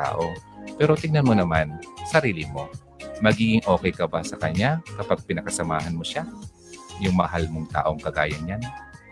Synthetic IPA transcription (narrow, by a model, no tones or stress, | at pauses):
t̪a̰ːʔo̞pɛːɾo̞t̪ɪŋnɐnmonɐmansɐɾiːlɪmo̞ | mɐɡiːɡɪŋʔo̞ːkɛjkɐbasɐkɐɲakɐpaɡ̚pɪnɐkɐsɐmaːɦɐnmo̞ʃa | jʊŋmɐɦalmoŋt̪a̰ːʔo̞ŋkɐɡa̰ːjɐnɲan